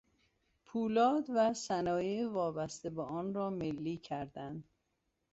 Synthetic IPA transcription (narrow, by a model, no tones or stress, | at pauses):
pʰuːlɒːd̪væsænɒːjevɒːbæst̪ebeʔɒːnɾɒːmelːiːcʰæɾd̪ænd̪̥